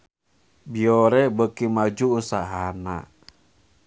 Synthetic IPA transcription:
bioɾɛbəkimad͡ʒuːsaɦana̰

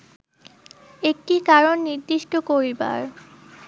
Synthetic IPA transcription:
ek̚ʈikaɾonːiɾd̪iʃʈokoɾiba̰ɾ

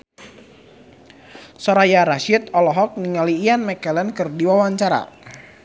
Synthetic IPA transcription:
sɔɾajaɾaʃit̪̚ɔlɔɦɔk̚niŋaliːanmɛkɛlɛnkɨrdiwawaɲt͡ʃaɾa̰

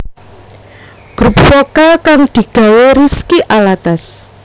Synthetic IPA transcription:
ɡ̥ɾup̚sokakaŋd̪̥i̤ɡ̥a̤weɾiskiʔalat̪as

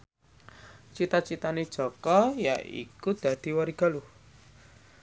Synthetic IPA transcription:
t͡ʃit̪at͡ʃit̪aned̥ʒ̥ɔ̤kɔja̰ʔḭkud̪̥a̤d̪̥i̤waɾiɡ̥a̤lu

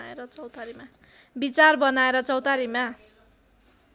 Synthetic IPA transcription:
aeɾʌt͡sʌwt̪aɾima | bit͡sarbʌnaeɾʌt͡sʌwt̪aɾima

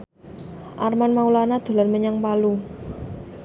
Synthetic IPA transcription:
ʔarmanmaulanad̪̥o̤lanməɲaŋpalu

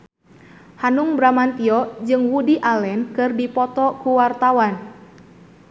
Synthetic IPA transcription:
hanuŋbɾamant̪iɔd͡ʒɨŋwudiʔalɛnkɨrdipɔt̪ɔkuwart̪awan

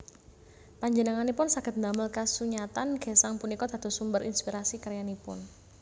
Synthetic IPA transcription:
paɲd͡ʒənəŋanipʊnsaɡ̥ət̪̚nd̪aməlkasuɲat̪anɡ̥e̤saŋpunikɔd̪̥a̤d̪o̤sumbəɾʔḭnspiɾasikaɾjanipʊ̰n

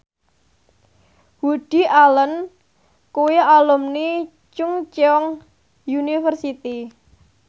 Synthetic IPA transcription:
wud̥i̤ʔalən | kuwialumni | t͡ʃʊŋt͡ʃɔŋ | junifərsit̪i

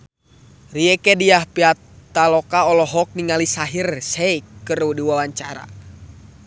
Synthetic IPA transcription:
riɛkɛdiahpiat̪ːalɔkaɔlɔɦɔk̚niŋalisaɦirsɛikːərudiwalaɲt͡ʃaɾa̰

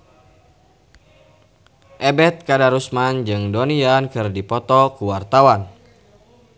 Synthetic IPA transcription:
ʔɛbɛt̪̚kadaɾusmand͡ʒɨŋdoniankɨrdipɔt̪ɔkuwart̪awan

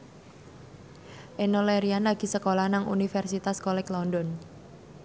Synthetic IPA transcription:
ʔenoleɾianlaɡ̥i̤səkolahnaŋṵnifɛrsit̪askolɛklɔndɔn

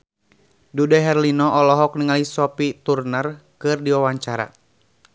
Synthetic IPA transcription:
dudɛɦɛrlinɔʔɔlɔɦɔk̚niŋalisɔpit̪urnərkɨrdiwawaɲt͡ʃaɾa̰

